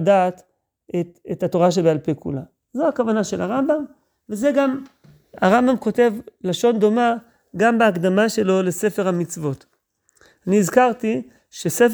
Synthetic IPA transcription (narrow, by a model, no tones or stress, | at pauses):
dat̪ | etethato̞ʁaʃ̬ebealpekṵla | zoakavanaʃe̞̰lhaʁambam | veze̞ɡam | aʁambamko̞te̞vlaʃo̞ndo̞ma | ɡambeːkd̪amaʃe̞lo̞le̞se̞fe̞ʁ̞hamit͡svo̞t | aniːzkaʁt̪i | ʃesef